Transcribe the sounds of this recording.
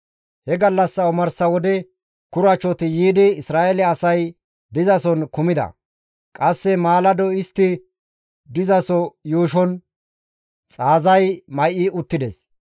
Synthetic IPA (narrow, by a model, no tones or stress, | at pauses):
hɛɡɐlːɐsːɐɔmɐɾsɐwɔd̪ɛ | kʊɾɐt͡ʃːɔt̪ɪjiːd̪ɪɪsɾaːʔɛlɛɐsɐj | d̪ɪzɐsɔnkʊmɪd̪ɐ̰ | kʼɐsːɛmaːlɐd̪ɔɪst̪ːɪ | d̪ɪzɐsɔjuːʃɔn | t͡sʼaːzɐjmɐjʔɪʊt̪ːɪd̪ɛs